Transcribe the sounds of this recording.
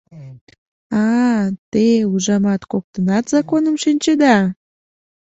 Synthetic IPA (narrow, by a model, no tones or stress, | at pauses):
ɑt̪euʒɑmɑt̪kok̚t̪ənɑt̪zɑkonəmʃinʲt͡ɕed̪ɑ